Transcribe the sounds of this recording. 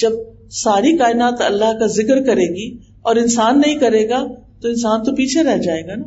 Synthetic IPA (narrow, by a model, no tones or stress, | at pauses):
d͡ʒɐb̚ | saːɾikaːɪnaːt̪ɐ̰lːaɦkazɪkəɾkɐɾeːɡi | ɔːɾɪnsaːnːɐɦĩkɐɾeːɡa | t̪oɪ̃nsaːnt̪opiːt͡ʃʰeɾɛɦd͡ʒaːeːɡana